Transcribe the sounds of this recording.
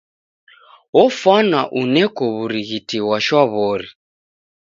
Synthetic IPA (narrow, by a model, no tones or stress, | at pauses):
ɔfanaʔunɛkɔβuɾiɣitiwaʃwaβɔɾi